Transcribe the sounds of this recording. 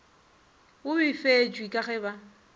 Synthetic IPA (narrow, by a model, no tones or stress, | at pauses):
ʊbɪfed͡ʒʼwikʼaɣɛba